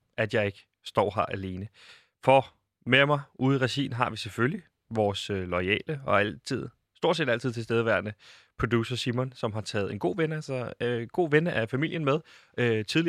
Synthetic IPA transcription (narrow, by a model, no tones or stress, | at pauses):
æd̥jɑ̈ɪe̝ɡ̥ə | sd̥ɒ̰ːɦɑʔæle̝ːnə | fɒ | memɑ̈ɪʔuːðˠʁɛsḭːnɦɑ̈ʋisefølli | ʋɒːsølɒɪɛ̰ːləɒ̽æl̰t͡sʰið̞̰ˠ | sd̥o̝ɐ̰sḛːd̥æl̰t͡sʰið̰ˠt͡sʰelsd̥eːð̞ˠʋæɐnəpʰʁod̥uːsɐsimɔ̽nsɒ̽mɦɑ̈t͡sʰɛːð̩ˠe̝nɡ̥o̝̰ːʋenəælsɒɡ̥o̝̰ːʋenəʔæfæmil̰jənmeð̞ˠøt͡sʰiðˠli